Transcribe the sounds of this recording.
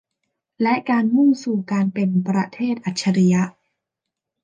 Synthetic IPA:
lɛ˦˥ʔkaː˧nmu˥˩suː˨˩kaː˧npe˧npɾa˧t̪ʰeː˥˩t̪̚ʔa˨˩t̪̚t͡ɕʰːa˧ɾi˧ja˦˥ʔ

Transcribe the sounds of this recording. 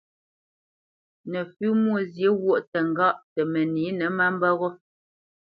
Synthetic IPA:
nɛ˨fʉ˦mwo˦˨zje˨˦wo˦˨ʔtɛ˨ŋ˨ɡa˦ʔtɛ˨mɛ˨niː˨˦nɛ˨˦ma˦m˦bɔ˦ɣɔ˦

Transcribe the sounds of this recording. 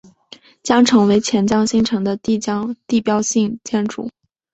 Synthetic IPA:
t͡ɕjɑ˥ŋʈ͡ʂʰɤ˧˥ŋwe˧˥ɪt͡ɕʰjɛ˧˥nt͡ɕjɑ˥ŋɕi˥˩ŋʈ͡ʂʰɤ˧˥ŋd̪ə˧t̪i˥˩t͡ɕjɑ˥ŋt̪i˥˩pjɑ˥ʊɕi˥˩ŋt͡ɕjɛ˥nʈ͡ʂṵ˥˩

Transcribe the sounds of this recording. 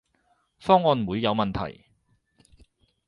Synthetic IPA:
fɔː˥ŋɔː˧nwuː˨˧jːɐ˨˧wmɐ˨nt̪ʰɐ̰˨˩j

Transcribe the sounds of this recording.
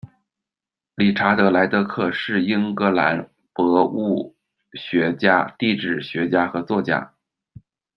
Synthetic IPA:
li˨˩ʈ͡ʂʰa˧˥t̪ɤ˧˥la˧˥ɪt̪ɤ˧˥kʰɤ˥˧ʂɻ̩˥˩i˥ŋkɤ˧˥la̰˧˥n | pɤ˧˥u˥˩ | ɕɥɛ˧˥t͡ɕja̰˥t̪i˥˧ʈ͡ʂɻ̩˨˩ɕɥɛ˧˥t͡ɕja˥xɤ˧˥t͡swɔ˥˩t͡ɕja̰˥

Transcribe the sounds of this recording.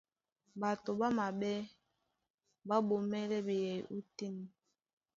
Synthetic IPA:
ba˨to˨ba˦ma˨ɓɛ˦ | ba˦ɓo˨mɛ˦lɛ˦be˨jɛ˨ju˦ti˦n˨

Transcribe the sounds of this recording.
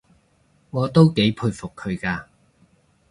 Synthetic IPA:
ŋɔː˨˧t̪o˥wke˨˧˥jpʰuː˧jfʊ˨kʰːɵ˨˧ɥkaː˧

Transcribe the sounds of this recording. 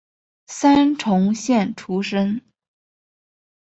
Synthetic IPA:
sa˥nʈ͡ʂʰʊ˧˥ŋɕjɛ˥˩nʈ͡ʂʰu˥ʂə˥ŋ

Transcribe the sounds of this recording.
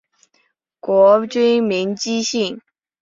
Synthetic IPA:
kwɔ˧˥t͡ɕy˥nmi˧˥ŋt͡ɕi˥ɕi˥˩ŋ

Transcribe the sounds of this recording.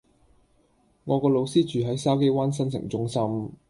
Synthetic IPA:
ŋɔː˨˧kɔː˧lo˨˧wsiː˥t͡ʃyː˨ɦɐ˨˥jsaː˥wk̬e˥jwaː˥ns̬ɐ˥ns̬ɪ̰˨˩ŋt͡sʊ˥ŋsɐ˥m

